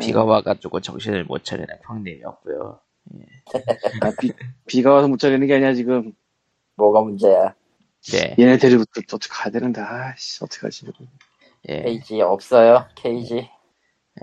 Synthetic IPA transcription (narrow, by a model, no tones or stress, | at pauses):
piɡawaɡad͡ʑoɡot͡ɕʌŋɕ͈inɯɭmo̰t͡ɕʰaɾḭnɯnpʰjʌŋnemiʌp̚k͈ujo̰ | jḛ | apipiɡawasʰʌmot͡ɕʰaɾinɯnɡe̞aɲiat͡ɕiɡɯm | mwoɡamund͡ʑe̞ja | jḛjeneteɾibutʰʌt͈ot͈ʰɯ̥kkadenɯndaʌtʰɯ̥k͈ʰa̰d͡ʑʰiɯɾo | jḛeid͡ʑiʌp̚s͈ʌjokʰeid͡ʑi | j